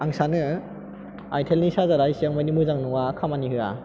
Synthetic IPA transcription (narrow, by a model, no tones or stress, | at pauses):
aŋsanɯ | ajtʰelnisazaɾajsiaŋmajnimɯzaŋnuŋakʰamanihɯa̰